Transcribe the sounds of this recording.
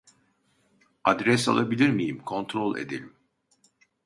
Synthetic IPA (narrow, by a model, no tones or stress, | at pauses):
ad̪ɾɛs̬a̰lˠabilʲiɾmijimkʰo̞nt̪ʰɾo̞lˠḛd̪elʲim